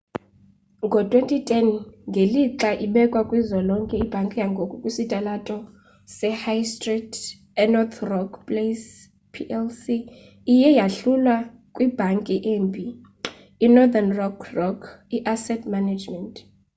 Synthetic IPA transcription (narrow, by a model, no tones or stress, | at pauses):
ŋɡʱɔtʼwentʼitʰʼɛnŋɡʱeliǁaʔiɓɛkʼwakʼwizɔlɔŋkʼɛib̥ʱaŋkʼijaŋɡʱokʼukʼisitʼalatʼɔ | sɛhajstʼritʰʼ | ɛnɔt̪ʰrɔkʰpʼles | pʰiʔɛlsiː | jɛjaɬulwa | kʼwib̥ʱaŋkʼiʔeːmbʱiː | nɔd̪anrɔkʰrɔkʰ | iʔasɛtʰʼmanad͡ʒmɛntʼ